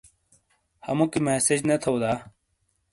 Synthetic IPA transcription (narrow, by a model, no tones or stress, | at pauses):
hɐ̰mokimesed͡ʑnɐt̪ʰɐwd̪aː